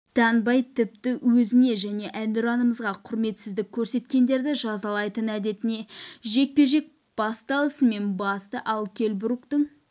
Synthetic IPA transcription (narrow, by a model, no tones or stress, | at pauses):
d̪̥ɑnbɑjt̪ʰɪp̚t̪ɪwɵzɪne̞ʒæne̞ʔænd̪ɪɾɑnəməzʁɑqʰʊɾme̞t̪sɪzd̪ɪkʲʰːɵɾse̞t̪kʲe̞nd̪e̞ɾd̪ɪʒɑzɑlˠɑjt̪ənæd̪e̞t̪ɪne̞ʒe̞k̚pe̞ʒe̞k̚ | b̥ɑst̪ɑlˠəsəme̞nbɑst̪əʔɑlˠkʲʰe̞lbʊɾukt̪əɴ